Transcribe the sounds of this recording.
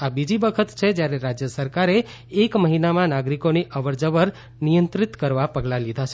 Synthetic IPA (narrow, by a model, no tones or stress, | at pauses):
abid͡ʒibəkʰət̪t͡ʃʰed͡ʒjaɾeɾad͡ʒjəsəɾkaɾeː | kməɦinamãnaɡɾikoniʔəʋəɾd͡ʒəʋəɾ | nijənt̪ɾit̪kəɾʋapəɡlalid̪ʱat͡ʃʰe